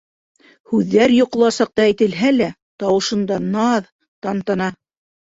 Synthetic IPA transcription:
hʉðːæɾjŏq̆lˠɑsɑq̚t̪ɑæjt̪ɘ̆lɦælæ | t̪ɑwɤ̆ʃɤ̆nd̪ɑnɑð | t̪ɑnt̪ɑnɑ

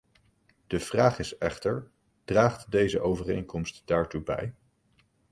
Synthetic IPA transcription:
d̥əv̥raːχɪsɛχtəɹ | d̥raːχtdejzəʔowvərḛjnkɔmstd̥aːɹtubɛ̰j

